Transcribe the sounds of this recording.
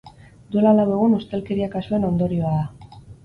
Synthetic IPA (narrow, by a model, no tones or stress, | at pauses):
d̪ue̞lalawe̞ɣ̞unust̪e̞lke̞ɾiakasue̞no̞nd̪o̞ɾio̞aða